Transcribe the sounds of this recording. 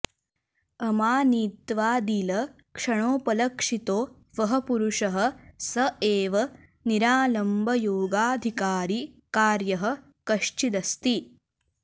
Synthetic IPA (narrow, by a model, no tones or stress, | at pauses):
ɐmaːniːt̪ʋaːd̪ilɐ | kʂɐɳoːpɐlɐkʂit̪oː | ʋɐɦɐpuɾuʂɐɦɐ̆sɐeːʋɐ | niɾaːlɐmbʱɐjoːɡaːd̪ʱikaːɾi | kaːɾjɐɦɐ̆ | kɐʂt͡ʃid̪ɐst̪i